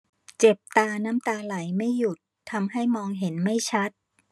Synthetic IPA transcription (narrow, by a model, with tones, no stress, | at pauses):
t͡ɕe˨˩p̚t̪aː˧na˦˥mt̪aː˧la˩˦jma˥˩jːu˨˩t̪ʰːa˧mɦa˥˩jmɔː˧ŋɦe˩˦nma˥˩jt͡ɕʰa˦˥t̪̚